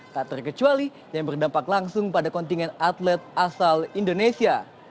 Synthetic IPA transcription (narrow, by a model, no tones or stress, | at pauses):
t̪aʔt̪ərkət͡ʃuali | jaŋbərdampaklaŋsʊŋpadakɔnt̪iŋɛnat̪lɛt̪̚asalindonesia